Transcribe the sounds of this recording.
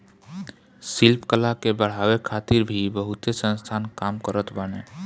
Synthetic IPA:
silpkəlakebəɽ̤awekʰaːt̪iɾbʱibəɦut̪esə̃nst̪ʰaːnkaːmkəɾət̪bəne

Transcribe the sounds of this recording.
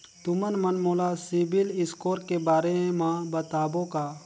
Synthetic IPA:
t̪ʊmənmɐnmoːlasibɪlɪskoːɾkebaːɾeemãbət̪aːbõkaː

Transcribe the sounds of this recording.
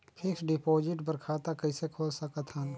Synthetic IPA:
pʰɪksɖɪpoːd͡ʒɪʈbəɾkʰaːt̪akɐɪsekʰoːd͡ʒsəkət̪ʰən

